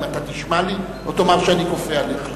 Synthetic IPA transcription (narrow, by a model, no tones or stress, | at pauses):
mat̪at̪iʃmali | ot̪omaʁʃeanikofealeχ